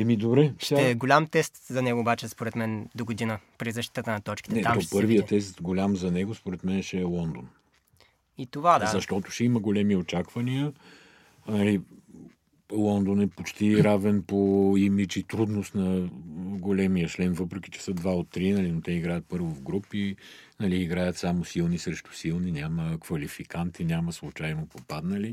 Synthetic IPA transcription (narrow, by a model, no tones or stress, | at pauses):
ɛmid̪obɾɛʃɛɡolʲamt̪ɛst̪zɐnɛɡoːbat͡ʃɛspoɾɛt̪mɛnd̪oɡod̪inəpɾizɐʃt̪i̥t̪ət̪ənɐt̪ɔt͡ʃkʲi̥ɛɛɔpɤɾvijət̪ɛst̪ɡolʲamzɐnɛɡospoɾɛt̪mɛnɛʃɛːlˠɔnd̪on | it̪ovaazzɐʃt̪ɔt̪ʊ̥ʃɛiməɡolɛmiot͡ʃakvɐniə | nɐli | lˠɔnd̪onɛpot͡ʃt̪iɾavɛnpoimit͡ʃit̪ɾud̪nost̪nɐ | ɡolɛmijəʃlɛnvɤpɾɛk̟i̥t͡ʃɛ̥səd̪vaot̪ːɾinɐlinot̪ɛiɡɾajət̪̚pɤɾvovɡɾupinɐliːɡɾajət̪samosilˠnisɾɛʃt̪ʊ̥silˠninʲaməkvɐlifikant̪inʲaməslˠut͡ʃajnopopad̪nəli